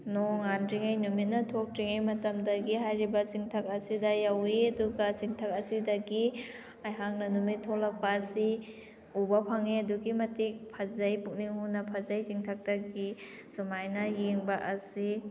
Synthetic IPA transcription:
nɔŋandɾiŋajnumit̚nɐtʰɔk̚tɾiŋajmɐtɐmdɐɡiɦajɾibɐsiŋtʰɐk̚ɐsidɐjaweɐduɡasiŋtʰak̚ɐsidɐɡi | ajɦaŋ̚nɐnumitʰːɔlak̚paːsi | ubapʰaŋeɐduɡimɐtik̚pʰazajpuk̚niŋhunɐpʰazajsiŋtʰak̚taɡi | sumajnɐjeŋbaʔɐsi

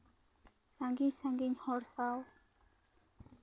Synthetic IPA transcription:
saŋɡiɲsaŋɡiɲhɔɾsaw

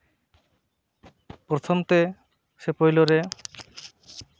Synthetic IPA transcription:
pɾot̪ʰomt̪e | ʃepojloɾe

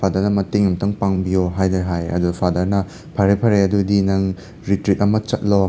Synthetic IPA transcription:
pʰadɐɾnɐmɐteŋɐmtʰɐŋpaŋbijoɦajdɐɦajɐ̰dupʰadɐɾnɐ | pʰaɾepʰɐɾeɐdudinɐŋ | ɾitɾit̚ɐmɐt͡ʃɐt̚lo

